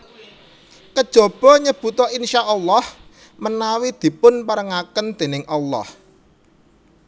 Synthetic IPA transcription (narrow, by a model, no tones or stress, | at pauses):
kəd̥ʒ̥o̤b̥ɔ̤ɲəb̥ṳt̪ɔinʃaʔːlːɑh | mənawid̪̥i̤pʊnpaɾəŋakənd̪̥e̤nɪŋʔɑlːɔ̰h